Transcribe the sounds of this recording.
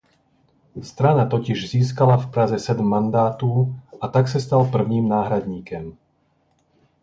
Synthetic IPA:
st̪ɾanat̪ɔciʒziːs̬kalafpɾazɛsɛd̪mːand̪aːt̪uːat̪aksast̪alpr̩ʊɲiːmnaːɦɾad̪ɲiːkɔm

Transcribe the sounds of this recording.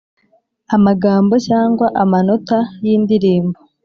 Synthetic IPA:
amaɡaːmbo̞caːŋɡwaʔamano̞tajiːndiɾiːmbo

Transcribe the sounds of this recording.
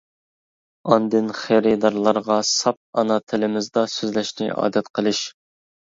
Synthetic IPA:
ɑnd̪ɨnχeɾɪd̪ɑɾlˠɑɾʁɑsɑp̚ɑnɑt̪ʰɪlɪmɪzd̪ɑsøzlɛʃnɪ̰ʔɑ̰ːd̪ɛt̪qʰəlˠɨʃ

